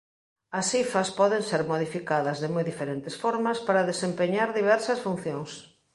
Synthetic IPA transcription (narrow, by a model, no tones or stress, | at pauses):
ɐsifɐspɔðeŋseɾmoðifikaðɐzðemojðifeɾent̪esfɔɾmɐspaɾaðesempeɲaɾðiβ̞ɛɾsɐsfun̟θjoŋs